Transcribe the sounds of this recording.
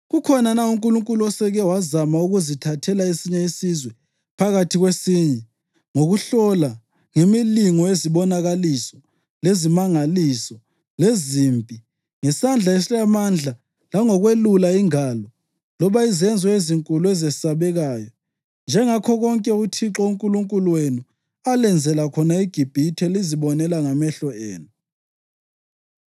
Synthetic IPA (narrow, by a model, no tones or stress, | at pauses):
ɣukʰɔnanauŋkʼuluŋkʼuluɔsɛɣɛwazamauɣuzitʰatʰɛlaesiɲɛisizwɛ | pʰaɣatʰiɣwesiːɲɛ | ŋoɣuɬɔla | ŋemiliŋɔeziβɔnaɣalisɔ | lezimaŋalisɔ | lezimpʼi | ŋɛsand͡ɮʱaeslamand͡ɮʱa | laŋɔɣwelulaiŋaːlɔ | lɔβaizɛnd͡zʱɔeziŋkʼuluɛzɛsaβɛɣaːjɔ | nd͡ʒʱɛŋakʰɔɣɔŋkʼɛutʰiǁɔuŋkʼuluŋkʼuluwenu | alɛnd͡zʱɛlakʰɔnaiɡ̥ʱib̥ʱitʰɛliziβɔnɛlaŋamɛɬɔḛːnu